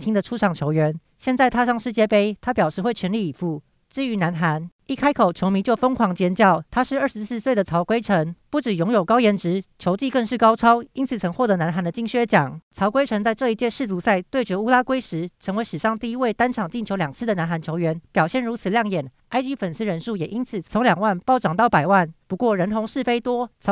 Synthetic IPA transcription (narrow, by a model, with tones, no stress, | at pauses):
t͡ɕʰi˥ŋd̪ə˨ʈ͡ʂʰu˥ʈ͡ʂʰɑ˨˩ŋt͡ɕʰjo˧˥ʊɥɛ˧˥n | ɕjɛ˥˧nt͡sa˥˩ɪt̪ʰa˥ʂɑ˥˧ŋʂɻ̩˥˩t͡ɕjɛ˥˩pe˥ɪt̪ʰa˥pjɑ˨˩ʊʂɻ̩˥˧xwe˥˩ɪt͡ɕʰɥɛ˧˥nli˥˩i˨˩fu˧˩˦ | ʈ͡ʂɻ̩˥˧y˧˥na˧˥nxa˧˥ni˥˩kʰa˥ɪkʰo˨˩ʊt͡ɕʰjo˧˥ʊmi˧˥nt͡ɕjo˥˩ʊfɤ˥ŋkʰwɑ˧˥ŋt͡ɕjɛ˧˥nt͡ɕjɑ˥˩ʊt̪ʰa˥ʂɻ̩˥˧ə˥˩ʂɻ̩˧s̩˥˧swe˥˩d̪ə˩t͡sʰɑ˧˥ʊkwe˥ɪʈ͡ʂʰə˧˥ŋpu˥˩ʈ͡ʂɻ̩˨˩jʊ˧˥ŋjo˨˩ʊkɑ˥ʊjɛ˧˥nʈ͡ʂɻ̩˧˥t͡ɕʰjo˧˥ʊt͡ɕi˥˧kə˥˧ŋʂɻ̩˥˩kɑ˥ʊʈ͡ʂʰɑ˥ʊi˥nt͡sʰɨ˨˩t͡sʰɤ˧˥ŋxwɔ˥˩t̪ɤ˧˥na˧˥nxa˧˥nd̪ə˧t͡ɕi˥˧ŋɕɥɛ˥˧t͡ɕjɑ˨˩ŋt͡sʰɑ˧˥ʊkwe˥ɪʈ͡ʂʰɤ˧˥ŋt͡sa˥˧ɪʈ͡ʂɤ˥˩i˧˥t͡ɕjɛ˥˧ʂɻ̩˥˩t͡su˧˥sa˥˩ɪt̪we˥˩ɪt͡ɕɥɛ˧˥u˥la˥kwe˥ɪʂɻ̩˧˥ʈ͡ʂʰə˧˥ŋwe˧ɪʂɻ̩˨˩ʂɑ˥˧ŋt̪i˥˩i˧˥we˥˩ɪt̪a˥nʈ͡ʂʰɑ˨˩ŋt͡ɕi˥˩nt͡ɕʰjo˧˥ʊljɑ˨˩ŋt͡sʰɹ̩˥˩d̪ə˩na˧˥nxa˧˥nt͡ɕʰjo˧˥ʊɥɛ˧˥npjɑ˨˩ʊɕjɛ˥˩nɻu˧˥t͡sʰɹ̩˨˩ljɑ˥˩ŋjɛ˨˩n | a˥ɪt͡ɕy˥fə˨˩ns̩˥ɻə˧˦nʂu˥˩jɛ˨˩ʔi˥nt͡s̩ʰ˨˩t͡sʰo˧˥ŋljɑ˨˩ŋwa˥˩npɑ˥˩ʊʈ͡ʂɑ˨˩ŋt̪ɑ˥˩ʊpa˨˩ɪwa˥˩npu˧˥kwɔ˥˩ɻə˧˥nt̪ʰʊ˧˥ŋʂɻ̩˥˩fe˥ɪt̪wɔ˥t͡sʰ